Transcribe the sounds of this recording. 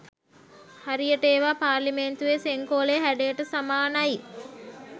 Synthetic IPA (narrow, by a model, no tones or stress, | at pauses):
haɾijəʈeːʋaːpaːɾliment̪uʋeseŋkoːleɦæɖejʈəsamaːnaji